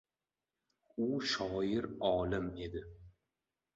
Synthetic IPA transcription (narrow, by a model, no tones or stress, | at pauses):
ʊʃɒjɪɾɒːlɪme̞d̪ɪ